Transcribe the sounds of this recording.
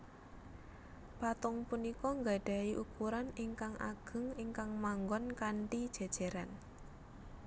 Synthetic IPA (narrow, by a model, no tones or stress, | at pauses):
pat̪ɔŋpunikɔŋɡa̤ɖ̥a̤iʔukuɾaniŋkaŋʔa̰ɡ̥ə̤ŋiŋkaŋmaŋɡɔnkaɳʈid̥ʒ̥e̤d̥ʒ̥e̤ɾan